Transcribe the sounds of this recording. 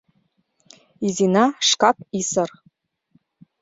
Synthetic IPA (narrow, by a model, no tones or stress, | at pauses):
izinaʂkapʰʼisɨr